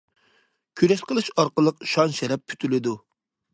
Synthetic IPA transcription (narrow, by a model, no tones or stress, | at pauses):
kʲʰyɾɛʃqʰəlˠɨʃɑɾqəlˠəqʃɑnʃɛɾɛp̚ːʰy̥t̪ʰylɪd̪u